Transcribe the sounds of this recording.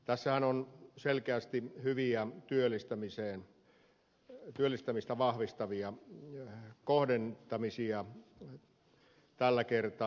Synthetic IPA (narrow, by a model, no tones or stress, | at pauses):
t̪æsːæhænonselkeæst̪ihyʋiæt̪yølːist̪æmiseːn | t̪yølːist̪æmist̪æʋɑhʋist̪ɑʋiɑ | kohdent̪ɑmisiɑ | t̪ælːækert̪ɑ